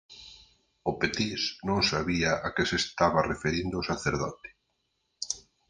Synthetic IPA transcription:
ʊpet̪isnõŋsaβiaʔakɪsest̪aβarefeɾind̪ʊosaθeɾðɔ̰t̪ɪ̥

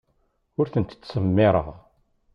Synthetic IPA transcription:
ʊɾθənt̪ːsəmːɪɾˤə̰ʁ

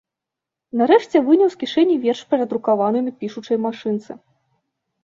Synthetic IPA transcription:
naɾɛʂt͡sʲɛvɨnʲɐwskʲiʂɛnʲːivʲɛrʂpʲɛɾɐd̪ɾukavanɨmʲipʲiʂut͡ʂɐjmaʂɨnt̪sɨ

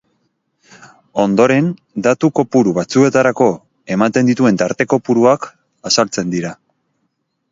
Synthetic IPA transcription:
o̞nd̪o̞ɾe̞n | d̪at̪uko̞puɾuβat͡sue̞t̪aɾako̞ | e̞mat̪e̞nd̪it̪ue̞nt̪aɾt̪e̞ko̞puɾuak | asalt͡se̞nd̪iɾa

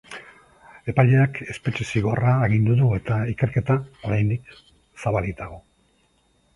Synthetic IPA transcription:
e̞paʎe̞ake̞spe̞t͡ʃesiɣo̞raːɣ̞ind̪uðue̞t̪aike̞ɾke̞t̪ao̞ɾajnd̪ik | saβalit̪aɣo

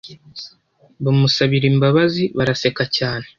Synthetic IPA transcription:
βamusaβiɾimbaβaziβaɾase̞kacaːne

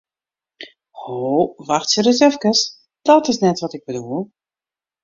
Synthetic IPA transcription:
hoːʋaxtsərɪsɛfkəs | d̥ɔtɪsnɛtʋɔtɪɡ̚bədulˠ

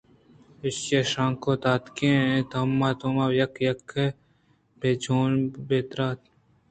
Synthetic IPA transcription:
ɪseʃãːŋkoːt̪aːt̪kẽːnẽt̪ɐmːaːt̪umaːjɐkjɐkʰːe | beːd͡ʒoːnbeːt̪ɾaːt̪

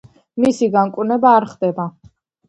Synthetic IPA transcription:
misiɡaŋkʼwnɛbaːɾχd̪ɛba

